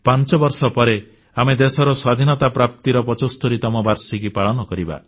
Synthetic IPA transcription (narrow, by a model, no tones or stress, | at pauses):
pant͡ʃɔbɔɾsɔpɔɾe | amed̪esɔɾɔswad̪ʱinɔt̪apɾap̚t̪iɾɔpɔt͡ʃost̪ɔɾit̪ɔmɔbaɾsikipaɭɔnɔkɔɾiba̰